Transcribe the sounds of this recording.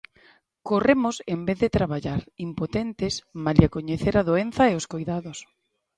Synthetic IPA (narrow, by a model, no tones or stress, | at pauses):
koremʊsembeθðɪt̪ɾaβaʎaɾimpot̪ent̪ɪsmaliakoɲeθeɾaðoen̟θɐeʊskojðaðʊs